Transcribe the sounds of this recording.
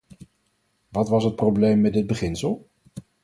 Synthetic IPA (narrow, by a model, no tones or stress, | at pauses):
ʋɑtʋɑsɦət̚prowblejmːɛdɪd̚bəχɪnsəlˠ